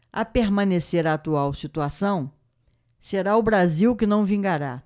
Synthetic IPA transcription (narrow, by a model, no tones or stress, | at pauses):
apeɾmɐ̃neseɾaːt̪uawsit̪uasɐ̃w̃ | seɾaʊbɾaziwkɪnɐ̃w̃vĩŋɡaɾa̰